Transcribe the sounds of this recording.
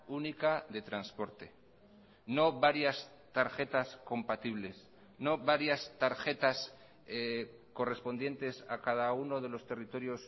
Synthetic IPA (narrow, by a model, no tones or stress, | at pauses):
unikaðe̞t̪ɾanspo̞ɾt̪e̞ | no̞βaɾjas | t̪aɾxe̞t̪asko̞mpat̪iβle̞s | no̞βaɾjast̪aɾxe̞t̪as | ko̞re̞spo̞nd̪je̞nt̪e̞sa̰kaðauno̞ð̞e̞lo̞st̪e̞rit̪o̞ɾjo̞s